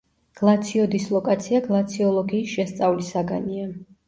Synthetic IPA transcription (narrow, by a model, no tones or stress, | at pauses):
ɡ̥lˠat̪sʰiɔd̪islˠɔkʼat̪sʰiaɡlˠat̪sʰiɔlˠɔɡiːsʃɛst̪sʼavlisaɡa̰nia